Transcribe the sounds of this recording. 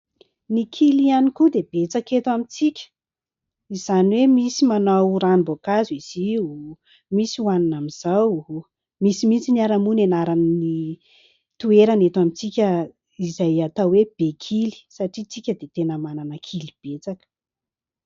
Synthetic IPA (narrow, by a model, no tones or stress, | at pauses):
nikʰilianikud̪ebet͡saket̪wamit͡sikʲə̥ | izaniwemisimanawɾanibokaziz̥iu | misiwaninamiz̥awɦu | misimint͡sinaɾamunenaɾanni | t̪ueɾanet̪wamit͡sikʲə | izajat̪aweb̥ekʰili̥saʈ͡ʂit͡sikʲəd̪et̪enəmananəkʰilib̥et͡sakə̥